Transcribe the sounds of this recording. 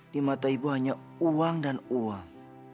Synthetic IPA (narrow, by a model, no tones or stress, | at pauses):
dimat̪aibuɦaɲa | uaŋdanuaŋ